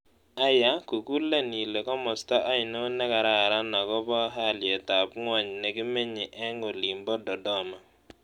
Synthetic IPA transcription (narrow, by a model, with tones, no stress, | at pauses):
a˦ja˦ku˨ku˦le˦ni˨le˨kɔ˦mɔ˨sta˦ʔa˦ɪ˨nɔ˦nɛ˦ka˨ɾa˦˨ɾa˦na˨kɔ˦bɔ˦ɦa˦˨ljɛ˨ta˨pŋwa˦˨ɲ˨nɛ˨kɪ˦mɪ˦ɲɪ˨ʔɛ˦ŋɡɔ˨li˨mbɔ˦dɔ˨dɔ˦ma˨